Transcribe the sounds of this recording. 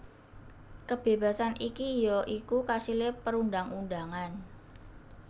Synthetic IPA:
kəb̥e̤b̥a̤sanʔikijɔʔikukasilepəɾundaŋundaŋan

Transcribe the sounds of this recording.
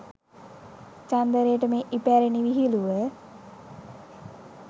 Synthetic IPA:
t͡ʃand̪əɾejəʈəmeːʔipæɾeniʋiɦiluʋə

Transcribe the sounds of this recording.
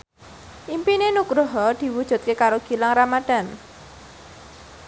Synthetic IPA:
ʔimpinenukɾuɦɔd̪̥i̤wud̥ʒ̥ṳt̪̚kekaɾoɡ̥i̤laŋramad̪̥a̤n

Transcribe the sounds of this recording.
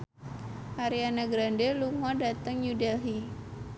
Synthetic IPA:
ʔaɾianaɡɾandeluŋɔdat̪əŋjudɛlɦi

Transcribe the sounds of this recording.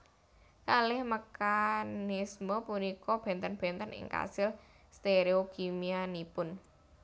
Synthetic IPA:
kalɪhmakanɪsmɔpunikɔb̥ɛ̤nt̪ənb̥ɛ̤nt̪ənɪ̰ŋka̰sɪl | st̪eɾeokimianipʊn

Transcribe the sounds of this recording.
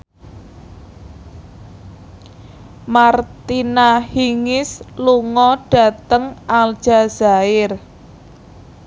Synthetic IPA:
mart̪inahiŋɪsluŋɔɖ̥ä̤t̪əŋʔald̥ʒ̥a̤z̥a̤ɪr

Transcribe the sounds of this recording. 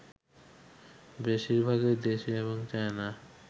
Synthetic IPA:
beʃiɾbʱaɡed̪eʃeeβoŋt͡ɕaena

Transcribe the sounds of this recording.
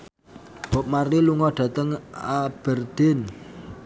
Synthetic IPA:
b̥ɔ̤p̚mariluŋɔɖ̥a̤t̪əŋab̥ərd̪̥en

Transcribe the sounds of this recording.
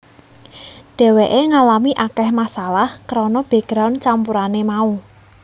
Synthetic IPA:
ɖ̥ɛ̤weʔeŋalamiʔakɛhmasalahkəɾɔnɔb̥ɛ̤ɡ̥ɾawnt͡ʃampuɾanemau

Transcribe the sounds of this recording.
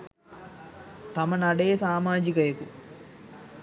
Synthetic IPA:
t̪ɐmɐnɐɽeːsaːmaːd͡ʒikɐjɐku

